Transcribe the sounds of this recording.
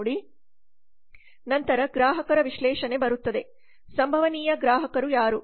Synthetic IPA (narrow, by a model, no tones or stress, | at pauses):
ɽi | nɐnt̪ɐɾɐɡɾaːɦɐkɐɾɐʋiʃlɛːʃɐne̞bɐɾut̪ːɐd̪e̞ | sɐmbʱɐʋɐniːjɐɡɾaːɦɐkɐɾujaːɾu